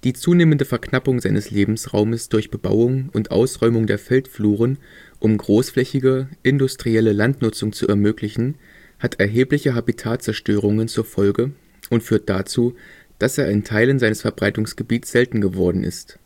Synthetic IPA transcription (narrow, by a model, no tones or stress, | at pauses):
d̥iːt͡suːneːməndəfɛɐknapʊŋzaɪnəsleːbm̩sʁa̰ʊməsd̥ʊɐçb̥əba̰ʊʊŋʊntʔa̰ʊsʁɔʏmʊŋdeːɐfɛltfluːʁ̞ənʔʊmɡʁoːsflɛçɪɡəʔɪndʊstʁ̥iɛləlantnʊt͡sʊŋt͡suʔɛɐmøːklɪçn̩ | hatʰɛɐɦeːplɪçəɦabitʰaːt͡sɛɐʃtøːʁ̞ʊŋənt͡suːɐfɔlɡə | ʔʊntfyːɐt̚d̥at͡suː | d̥aseːɐɪntʰaɪlənzaɪnəsfɛɐbʁaɪtʊŋsɡ̥əbiːtsz̥ɛltn̩ɡəvɔɐdn̩ʔɪ̰st